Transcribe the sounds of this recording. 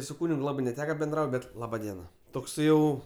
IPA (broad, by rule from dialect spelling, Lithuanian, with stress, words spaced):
sʊ ˈkuːnʲɪk ˈlˠɑːbɜ nʲɛˈtʲæːkɐ bʲɛnˈdrɐʊtʲ ˈbʲɛt ˈlˠɑːbɐ ˈdʲiɛnɐ ˈtoːks ˈjɛʊ